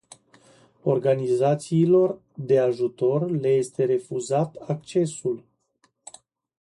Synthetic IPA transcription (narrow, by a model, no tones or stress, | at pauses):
o̞rɡanizat̪siːlo̞r | d̪e̞aʒut̪o̞rle̞je̞st̪e̞ɾe̞fuzat̪ak̚t͡ʃe̞sul